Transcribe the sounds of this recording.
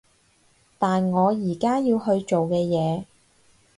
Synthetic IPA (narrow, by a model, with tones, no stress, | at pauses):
t̪aː˨nŋɔː˨˧jiː˨˩kaː˥jiː˧wɦɵ˧ɥt͡ʃo˨wkɛː˧jɛː˨˧